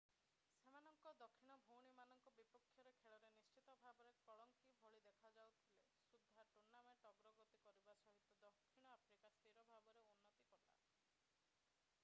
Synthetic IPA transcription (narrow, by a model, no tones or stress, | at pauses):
semanɔŋkɔd̪ɔkʰːiɽ̃ɔbʱowɽ̃imanɔŋkɔbipɔkʰːjɔɾekʰeɭɔɾenist͡ʃit̪ɔbʱabɔɾekɔɭɔŋkibʱɔɭid̪ekʰad͡ʒawt̪ʰile | sud̪ʱːaʈuɾnːameʈɔɡɾɔɡot̪ikɔɾibasɔɦit̪ːɔd̪ɔkʰːiɽ̃ɔapʰɾikast̪iɾɔbʱabɔɾeunːɔt̪ikɔɾla̰